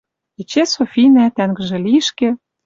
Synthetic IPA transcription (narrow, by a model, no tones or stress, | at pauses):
it͡ɕesofʲinæt̪æŋɡə̆ʒĕliʃkĕ